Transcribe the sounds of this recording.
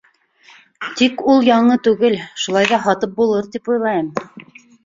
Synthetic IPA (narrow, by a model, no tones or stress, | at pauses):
t̪ikulˠjɑɴɤt̪ʉɡɘlʃulˠɑjðɑɦɑt̪ɤp̚bulˠɤɾt̪ipujlˠɑjɤm